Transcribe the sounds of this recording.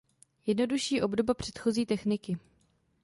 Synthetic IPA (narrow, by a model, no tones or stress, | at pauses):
jɛdno̞duʃiːʔo̞bdo̞bapr̝̥ɛt̪xo̞ziːt̪ɛxnɪkɪ